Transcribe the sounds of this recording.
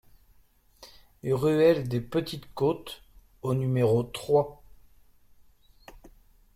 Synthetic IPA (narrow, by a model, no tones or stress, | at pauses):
ʁyɛld̪epət̪it̪kot̪ | onymeʁot̪χwa